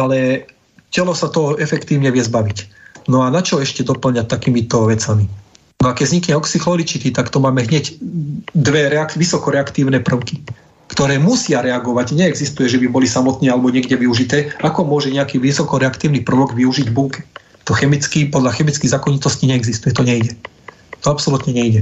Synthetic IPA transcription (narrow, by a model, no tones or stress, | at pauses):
alɛ | cɛlɔsat̪ɔɔɛfɛkt̪iːʊɲɛʋɪɛzbaʋicnɔanat͡ʃɔɛʃcɛd̪ɔpl̩ɲac̚t̪akiːmit̪ɔʋɛt͡sami | nɔakɛɟzɲikɲɛɔksixlɔlit͡ʃit̪it̪akt̪ɔmaːmɛɦɲɛɟ | d̪ʋɛɾɛakʋisɔkɔɾɛakt̪iːʊnɛːpr̩ʊki | kt̪ɔɾɛːmusɪaɾɛaɡɔʋaɟɲɛɛɡzist̪ujɛʒɛbibɔlisamɔt̪nɛalɛbɔɲɪɛɡɟɛʋiuʒit̪ɛːakɔmʊɔʒɛɲɛakiːʋisɔkɔɾɛakt̪iːʊnipr̩ʋɔɡʋiuʒiɟbuŋkɛ̥ | t̪ɔxɛmit͡skipɔd̪laxɛmit͡skiɣzakɔɲit̪ɔsciɲɛɛɡzist̪ujɛt̪ɔɲɛiɟɛ | t̪ɔapsɔlut̪ɲɛɲɛiɟɛ